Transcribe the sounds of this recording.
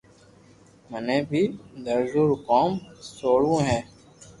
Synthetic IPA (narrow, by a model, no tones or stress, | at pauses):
məneːbʱiːd̪əɾzuːɾkɔːmsoːɽũːɦɛ̃ː